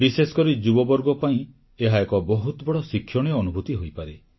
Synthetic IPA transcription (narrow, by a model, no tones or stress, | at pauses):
bisesɔ̥kɔɾid͡ʒubɔbɔɾɡɔpaĩ | eɦaekɔbɔɦut̪ɔbɔɽɔsikʰːjɔɽ̃ijɔːnubʱut̪iɦojpaɾe